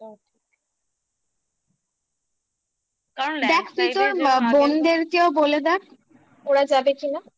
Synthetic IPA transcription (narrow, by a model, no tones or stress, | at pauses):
d̪ɛkʰpɾit̪oɾmabond̪eɾkeoboled̪ɛk | oɾad͡ʑabekina